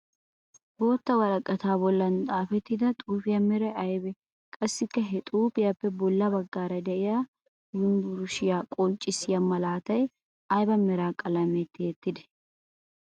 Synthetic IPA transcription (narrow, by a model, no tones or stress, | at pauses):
bo̞ːt̪ːɐwɐlɐkʼːɐt̪aːbɔlːɐnt̪ʼaːfɛt̪ːɪd̪ɐt̪ʼuːfɪjɐmɛɾɐɐjbɛ | kʼɐsːɪkːɐɦɛt̪ʼuːpɪjɐpːɛbɔlːɐbɐɡːaːɾɐd̪ɛʔɪja | wʊnbʊɾʊʃɪjaːkʼɔlt͡ʃʼːɪsɪjɐmɐlaːt̪ɐj | ɐjbɐmɛɾaːkʼɐlɐmɛt̪ːɪjɛt̪ːɪd̪ɛ̥